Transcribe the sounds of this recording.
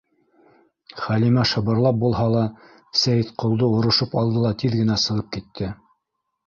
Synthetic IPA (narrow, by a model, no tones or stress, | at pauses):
χælimæʃɤ̆βɤ̆ɾlˠɑp̚bulˠɦɑlˠɑ | sæjɘt̪qŏlˠd̪ɤŏɾɤ̆ʃɤpɑlˠd̪ɤlˠɑt̪iðɡɘ̆næsɤ̆ʁɤp̚kit̪ʰːɘ